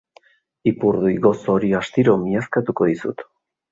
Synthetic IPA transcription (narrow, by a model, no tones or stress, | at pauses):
ipuɾðuiɣo̞so̞ɾiast̪iɾo̞miaskat̪uko̞ðisṵt̪